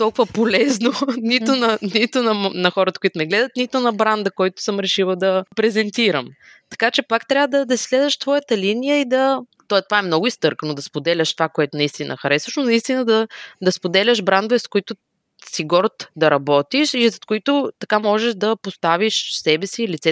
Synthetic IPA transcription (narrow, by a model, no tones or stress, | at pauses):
t̪ɔlˠkʊvəpolɛznonit̪ʊnɐnit̪ʊnɐnɐxɔɾət̪ə̥kʊit̪ʊnɛɡlɛd̪ət̪nit̪ʊnɐbɾand̪əkɔjt̪ʊ̥sɤmɾɛʃilˠəd̪ɐpɾɛzɛnt̪iɾəmt̪ɐ̥kat͡ʃɛpakt̪ɾʲavəd̪ɐd̪ɐisʲlɛzvɐʃt̪vɔjət̪əlinijəid̪ɐt̪ɔt̪ovaɛmnɔɡʊist̪ɤɾkənod̪ɐspod̪ɛlʲəʃt̪ovakoɛt̪ʊnɐist̪inʔə̰xɐɾɛsvəʃnonɐist̪inəd̪ɐd̪ɐspod̪ɛlʲəʃbɾand̪oɛskʊit̪ʊ | siɡɔɾt̪d̪ɐɾɐbɔt̪iʃizɐt̪koit̪ʊt̪ɐkamɔʒɛʃd̪ɐpost̪aviʃsɛbɛsiːlit̪sɛ